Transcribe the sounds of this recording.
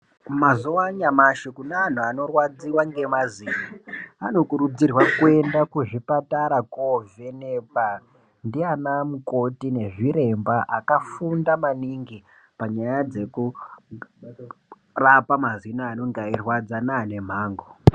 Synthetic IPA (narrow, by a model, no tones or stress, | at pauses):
mazowaɲamaʃekunːn̤uano̞rwad͡ziwaŋɡe̞maziːnaːno̞kuɾud͡zirwakue̞ndakuʐipataɾakove̞nepa | ndianamuko̞tine̞ʐiɾe̞mbaʔakafundamaniŋɡi | paɲajad͡ze̞ku | rapamazinaːno̞ŋɡairwad͡zanane̞m̤aːŋɡo